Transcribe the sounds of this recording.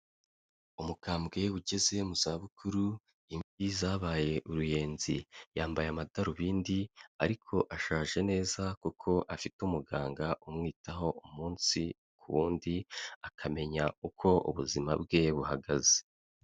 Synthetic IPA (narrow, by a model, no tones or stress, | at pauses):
umukaːmbɡe̞wuɟe̞ze̞muzaβukʰuɾu | imbizaːβaːje̞ʔuɾuje̞ːnzijaːmbajamadaɾuβiːndiaɾikʰo̞ʔaʃaːʒe̞ne̞ːzakukʰo̞ʔafitumuɡaːŋɡaʔumŋiːtʰaɦo̞ʔumuːnsi | kʰuβuːndiakʰame̞ɲaukʰo̞ʔṵβuzima̰bɡe̞βuhaɡaze̥